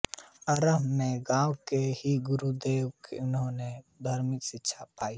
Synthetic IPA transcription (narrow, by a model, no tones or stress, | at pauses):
əɾəbmẽɡãːwkehiɡʊɾud̪eːwkeʊnɦõned̪ʱəɾmɪksɪtːʃʰapaːiː